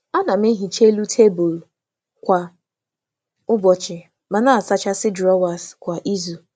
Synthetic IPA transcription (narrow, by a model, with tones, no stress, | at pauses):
a˦na˨m̩˦e˦ɦi˨t͡ʃe˦lu˦tʰe˦bʊ˨l | kʷa˨ | ʊ˦bɔ˨t͡ʃɪ˨ | ma˨na˦a˨sa˦t͡ʃa˦sɪ˦dɾɔ˦wa˨skʷa˨ʔi˦zu˨